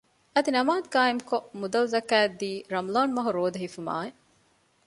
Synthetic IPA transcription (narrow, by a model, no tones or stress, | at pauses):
ɐd̪inɐmaːd̪̚ɡaːemkoʔmud̪ɐlzɐkæːd̪ːiːɾɐmloːɳmɐɦuɾoːd̪ɐɦifuma̰ːe